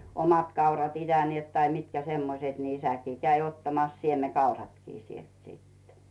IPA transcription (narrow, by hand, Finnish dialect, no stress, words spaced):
omɑt kɑurɑt itæniet tɑi mitkæ semːoset ni isækiː kæi otːɑmɑs siemekɑurɑtkiː sielt sitːe̥